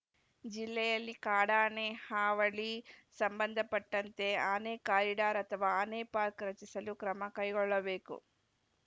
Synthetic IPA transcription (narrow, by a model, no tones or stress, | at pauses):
d͡ʒilːɛjɐlːikaːɽaːneːhaːʋɐɭisɐmbɐnd̪ʱɐpɐʈːɐnt̪e̞ːaːneːkaːɾiɽaːɾɐt̪ɐʋɐaːneːpaːɾkɾɐt͡ʃisɐlukɾɐmɐkɐjɡɔɭːɐʋe̞ːkṵ